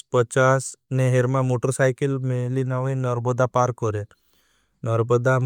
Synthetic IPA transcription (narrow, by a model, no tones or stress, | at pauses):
pət͡ʃaːsneɦeɾmãmoːʈəɾsaːjkəlmẽlinaʋəinɔɾbɔd̪apaːɾkɔɾe | nɔɾbəd̪am